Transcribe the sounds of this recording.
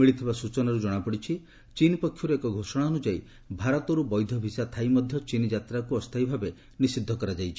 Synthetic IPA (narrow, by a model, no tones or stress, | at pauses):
miɭit̪ʰibasut͡ʃɔnaɾud͡ʒɔɽ̃apɔɽit͡ʃʰi | t͡ʃinipɔkʰːjɔɾeekɔɡʱosɔɽ̃aɔnud͡ʒai | bʱaɾɔt̪ɔɾubɔjd̪ʱɔbʱisat̪ʰajmɔd̪ʱjɔt͡ʃinid͡ʒat̪ɾakuɔst̪ʰajbʱabe | nisid̪ʱːɔkɔɾad͡ʒajt͡ʃʰi̥